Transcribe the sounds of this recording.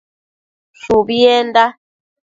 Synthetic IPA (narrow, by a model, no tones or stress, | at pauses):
ʃubiɛnda